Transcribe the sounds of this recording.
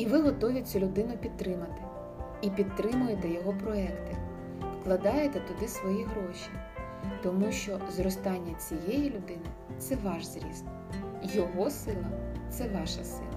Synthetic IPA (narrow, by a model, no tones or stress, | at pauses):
iʋɪɦɔt̪ɔʋʲɪt͡sʲulʲʊd̪ɪnʊpʲid̪̚t̪ɾɪmɐt̪ɪ̥ | ipʲid̪̚t̪ɾɪmʊjet̪ɛjɔɦɔpɾɔɛkt̪ɪ | fklˠɐd̪ɑjet̪ɛt̪ʊd̪ɪsʋɔjiɦɾɔʃʲi | t̪ɔmuʃt͡ʃɔzrɔst̪ɑnʲːɐt͡sʲijɛjilʲʊd̪ɪnɪ | t̪sɛʋɑʃzɾʲḭst̪ | jɔɦɔsɪlˠɐt̪sɛʋɑʃɐ̰sɪ̰lˠɐ